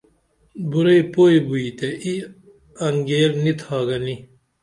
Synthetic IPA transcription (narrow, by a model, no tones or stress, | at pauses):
buɾɐipoːibuit̪eʔi | ɐŋɡeːɾnit̪ʰaːɡɐni